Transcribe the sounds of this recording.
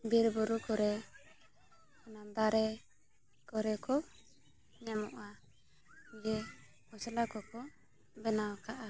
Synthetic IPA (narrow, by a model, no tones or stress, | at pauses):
biɾbuɾukɔɾɛ | nad̪aɾɛ | kɔɾɛkɔ | ɲamɔʔa | ɡɛ | hɔsɛlakɔkɔ | bɛnawkaʔa